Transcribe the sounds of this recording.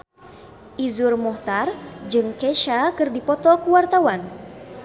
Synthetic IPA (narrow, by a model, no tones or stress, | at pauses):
ʔizurmɔht̪ard͡ʒɨŋkeʃakɨrdipɔt̪ɔkuwart̪awan